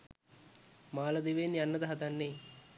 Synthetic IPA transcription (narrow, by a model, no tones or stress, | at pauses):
maːlɐd̪iʋeːniɐnːɐd̪ɐɦɐd̪ɐnːeː